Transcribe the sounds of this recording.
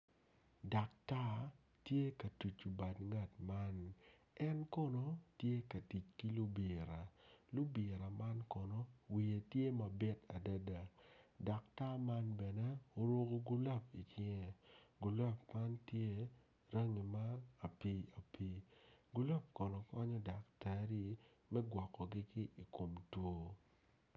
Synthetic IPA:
da˨k̚ta˦ | tje˦ka˨tu˨t͡ʃu˨ba˨dŋa˦˨tma˦n | ɛ˦nkɔ˦no˦tje˦ka˨ti˨t͡ʃki˦lu˦bi˨ɾa˨lu˦bɪ˨ɾa˨ma˦nkɔ˨no˦wi˨e˨tje˦mɐ˨bɪ˦ta˨da˦da˨da˨k̚ta˦ma˦nbɛ˨nɛ˦o˦ɾo˦ɡo˦ɡu˦la˦p̚i˨t͡ʃɪ˦ŋɛ˦˨ɡu˨la˦pma˦ntje˦ | ɾa˦ŋi˨maː˦˨pi˦a˨pi˦ɡu˦la˦p̚kɔ˨nɔ˨kɔ˦ɲɔ˦da˨k̚tɛ˨ɾi˦mɛ˦ɡwɔ˨kːɔ˨ɡɪ˦kɪ˦ʔi˨ko˨mtwo˦

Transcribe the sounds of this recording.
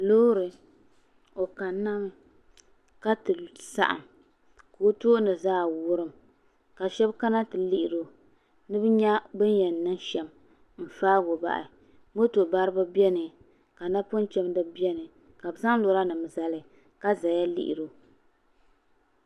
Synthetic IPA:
lo˦ɾɨ˨ | o˨ka˨nː˦a˦mɨ˨ | ka˦tɨ˨sa̰˦˨ʔa̰˨m | ko˨˦to˦ʔnɨ˨zaː˦wʊ˦ɾɨ˦m | ka˨ʃɛ˦bka˦na˦tɨ˨li˦ʔi˨ɾo˦ | nɨ˦bɨ˦ɲa˦bɨ˦njɛ˨nː˨ɨ˦ŋʃɛ˨m | m̩˨faː˦ɡo˨ba̰˨ʔɪ̰˨ | mo˦to˨ba˦ɾɨ˦ba˦bi˦ɛ˦nɨ˨ | ka˨na˦pʊ˦n˦t͡ʃɛ˦m˦dɨ˦bi˦ɛ˦nɨ˨ | ka˨bza˦ŋ˦lo˨ɾa˦nɨ˨m˨za˨lɨ˨ | ka˦za˨ja˦lḭ˦ʔḭ˨ɾo˦

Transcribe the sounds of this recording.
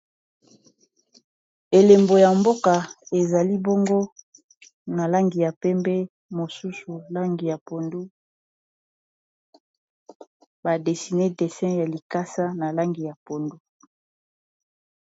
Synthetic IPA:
e˨le˨mbo˨ja˨mbo˦ka˨e˨za˨li˦bo˦ŋɡo˦ | na˨la˦ŋɡi˨ja˨pɛ˦mbɛ˦ | mo˨su˦su˨la˦ŋɡi˨ja˨po˨ndu˦ | ba˨de˨si˨ne˦de˨sɛ̃˦ja˨li˨ka˦sa˦na˨la˦ŋɡi˨ja˨po˨ndu˦

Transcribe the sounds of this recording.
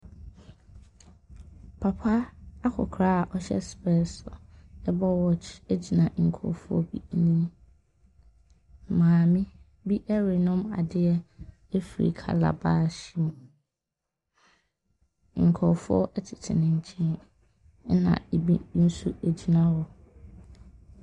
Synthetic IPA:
pʰa˨pʰa˦a˦kʰɔ̰˨kʰɾa˦˨ʔɔ˦ɕɛ̰˦spɛ˦˨sɔ̰˨ɛ˦bɔ˦wɔ˦t͡ʃe˦d͡ʑi˨nã˨ŋ̩˨kʰɔ̰˨fʊ˦ɔ̰˦bḭ˦nĩ˦˨ | mãː˨mĩ˦ | bi˦ʔɛ˦ɾi˨nʊ̃˦ma̰˨dɪ˦ɛ˦ | ɛ˦fɾḭ˨kʰa̰˨la̰˨ba˦˨ɕi˦mũ˨ | ŋ̩˨kʰɔ˨fʊ˦ɔ̰˦ʔɛ˦tʰɪ̥˨tʰɪ̰˨nɪ̃˨ɲ̩˨t͡ɕʰĩ˦ | nã̰˨e˨bi˦n̩˦su˦æ˨d͡ʑi˨nã˦hɔ˦

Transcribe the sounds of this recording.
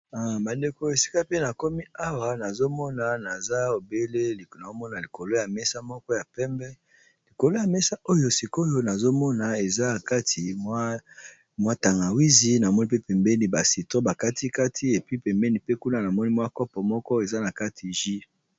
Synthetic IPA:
a˨ba˨nde˨ko˨e˨si̥˦ka˦pe˦na˨ko˦mi˦a˦wa˨na˨zo˦mɔ˦na˨na˨za˦o˨be˦le˦li˨na˨o˦mɔ˦na˨li˨ko˨lo˦ja˨mɛ˦sa˦mɔ˦kɔ˦ja˨pɛ˦mbɛ˦ | li˨ko˨lo˦ja˨mɛ˦sa˦ʔo˦jo˦si˨ko˦jo˦na˨zo˦mɔ˦na˨e˨za˦˨ka˦tʰi˨˦ | mwa˦ta˨ŋɡa˨wi˦zi˨na˨mɔ˦ni˦pe˦pɛ˨mbɛ˦ni˨ba˨si˨tʁo˦ba˨ka˦tʰi˦ka˦tʰi˦e˨pi˦pɛ˨mbɛ˦ni˨pe˦ku˦na˦˨na˨mɔ˦ni˦mwa˦kɔ˦pɔ˨mɔ˦kɔ˦e˨za˦na˨ka˦tʰi˨ʒi˦

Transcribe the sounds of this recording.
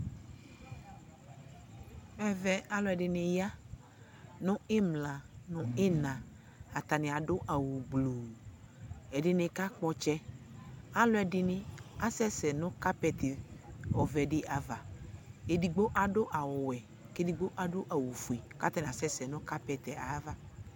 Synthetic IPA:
vɛ˦vɛ˦a˦lɔ˦ɛ˨ɖɪ˨nẽ˨ja˦ | nʊ̃˦ɪ˦mlã˨nʊ̃˦ɪ˦nã˨ | a˨t̪a˨nɪ̃˨a˨ɖo˦ʔa˨wu˨ɡ͡blu˨ | ɛ˨ɖɪ˨nẽ˨ka˦k͡pɔ˦t͡ʃɛ˦ | a˦lɔ˦ɛ˨ɖɪ˨nɪ̃˨a˨sɛ˦sɛ˨nʊ̃˦ka˦pɛ˨t̪e˨ɔ˨vɛ˨ɖɪ˦ʔa˨va˨e˨di˨ɡ͡bo˦ʔa˨ɖo˦ʔa˨wɔ˨wɛ˨ | ke˦di˨ɡ͡bo˦ʔa˨ɖo˦ʔa˨wu˨fu˨e˨ka˦t̪a˦nĩ˨a˨sɛ˦sɛ˨nʊ̃˦ka˦pɛ˨t̪ɛ˨ʔa˨˦va˦

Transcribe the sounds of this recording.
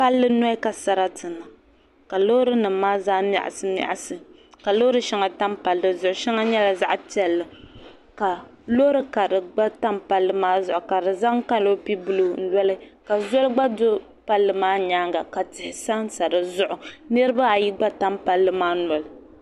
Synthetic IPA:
pa˦lːɨ˦nɔ˦i˦ka˨sa˨ɾa˦tɨ˨na˨ | ka˨lo˦ɾɨ˦nɨ˨mː˦aː˦zaː˦m˦a̰˨ʔa̰˨sɨ˦ma̰˨ʔa˨sɨ˨ | ka˨lo˦ɾɨ˦ʃɛ˦ŋa˨ta˦mpa˨lːɨ˨zʊ˨ʔʊ˨ʃɛ˦ŋa˦ɲɛ˦la˨za˦ʔti˦ɛ˦˨lːɨ˨ | ka˨lo˦ɾɨ˦ka˨dɨ˨ɡ͡ba˦ta˦mpa˦lːɨ˦maː˦zʊ˨ʔʊ˨ka˨dɨ˨za˦ŋ˦ka˦lo˦pi˦bɨ˦lu˨n̩˦lɔ˦lɨ˦ka˨zɔ˦lɡ͡ba˦do˦ | pa˦lːɨ˨maː˦ɲaː˦ŋɡa˨ka˨tɪ˨hɪ˦sa˦nsa˨ɾɨ˨zʊ˦ʔʊ˨nɨ˦ɾɨ˦ba˦a˨ji˦ɡ͡ba˦ta˦mpa˦lːɨ˦maː˦nɔ˨lɨ˨

